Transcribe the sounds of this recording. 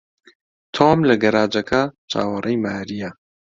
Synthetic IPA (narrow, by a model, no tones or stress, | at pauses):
t̪ʰoːmlɐɡɐɾaːd͡ʒɐkʰɐt͡ʃʰa̰ːwɐrʔɐjmaːɾijɐ